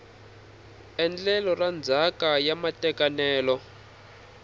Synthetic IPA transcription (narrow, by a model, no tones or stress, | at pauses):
ɛnd͡ɮɛlɔrand͡zʱakajamatɛkanɛːlɔ